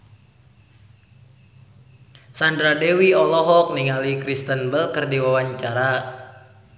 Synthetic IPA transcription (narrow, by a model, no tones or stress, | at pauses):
sandɾadewiɔlɔɦɔk̚niŋalikɾist̪ənbəlkərdiwawaɲt͡ʃaɾa